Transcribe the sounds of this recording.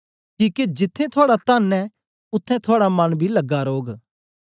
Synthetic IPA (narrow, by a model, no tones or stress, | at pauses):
kiːked͡ʒɪt̪ʰːẽt̪ʰʊaːɽat̪aːnɛ | ʊt̪ʰːɛ̃t̪ʰʊaːɽamɐnbʱiləɡːaɾoːɡ